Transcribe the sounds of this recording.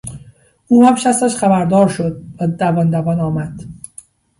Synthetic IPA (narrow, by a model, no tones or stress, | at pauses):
uːhæmʃæst̪æʃxæbæɾd̪ɒːɾʃod̪̚væd̪ævɒnd̪ævɒnɒːmæd̪̥